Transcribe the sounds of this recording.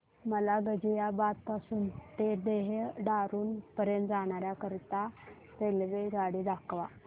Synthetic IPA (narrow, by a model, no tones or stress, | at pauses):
məlaɡəd͡ʑijabat̪̚pasuːnt̪ed̪eɦɖaɾuːnpəɾjənt̪d͡zaɽ̃aɾjakəɾt̪a | t̪elʋeɡaɽiːd̪akʋa